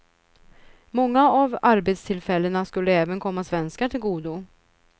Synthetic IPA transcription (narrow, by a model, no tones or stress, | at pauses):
mɔŋːaavaɾbet̪st̪ʰɪlfɛlːənaskɵlːəɛːvənkʰɔmːasvɛnskaʈʰɪlɡuːd̪u